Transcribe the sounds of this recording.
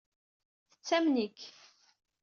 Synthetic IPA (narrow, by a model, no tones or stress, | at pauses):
θə̥t͡sːæmnik